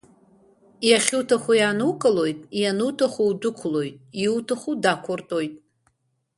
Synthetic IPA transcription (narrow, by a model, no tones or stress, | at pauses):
jaχʲutʰaχʷujanukʼalo̞jtʼjanuwtʰaχʷuwdʊkʷʰʊlo̞jtʼiwtʰaχʷudakʷʰʊrtʼojtʼ